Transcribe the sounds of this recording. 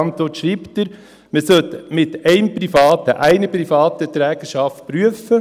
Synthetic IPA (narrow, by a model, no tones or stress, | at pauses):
ɑnt̪ɔːtʃɾiːpt̪əɾ | məsœt̪mɪtɛɪmpɾifɑːtəʔæɪnəpɾifɑːt̪ət̪ɾɛːɡ̥əʃɑft̚pɾyəfə